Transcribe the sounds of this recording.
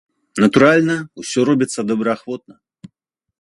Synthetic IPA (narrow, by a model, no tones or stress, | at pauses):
nɐt̪uɾalʲnɐusʲɔɾɔbʲit̪sːɐd̪ɐbɾɐaxvɔt̪̚nɐ